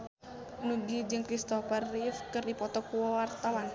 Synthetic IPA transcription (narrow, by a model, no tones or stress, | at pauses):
nuɡid͡ʒəŋkɾist̪ɔfɛrːifkərdipɔt̪ɔkuwɔwart̪awan